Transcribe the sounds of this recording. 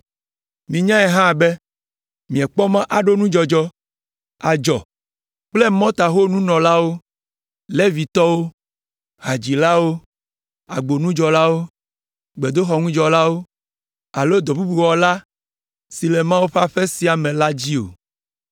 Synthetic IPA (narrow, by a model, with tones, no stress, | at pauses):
mĩ˨ɲã˦ɛ˨ɦã˦˨be˦ | mĩ˨ɛ˨k͡pɔ˦mã˦ʔa˨ɖo˦nũ˦d͡ʒɔ˨d͡ʒɔ˦ | a˨d͡ʒɔ˨ | k͡plɛ˦mɔ̃˦t̪a˨xo˦nũ˦nɔ̃˨la˦wo˦ | le˦vi˨t̪ɔ˦wo˦ | ɦa˨d͡ʑi˨la˦wo˦ | a̰˨ɡ͡bo˨nũ˦d͡ʒɔ˨la˦wo˦ | ɡ͡be˨d̪o˦xɔ˨ŋũ˦d͡ʒɔ˨la˦wo˦ | a˨lo˦d̪ɔ˨bu˦bu˨wɔ˨la˦ | si˨lɛ˨mã˦wu˦ɸa˦ɸɛ˦si˨˦a˨mɛ̃˨la˦d͡ʑi˦o̰˨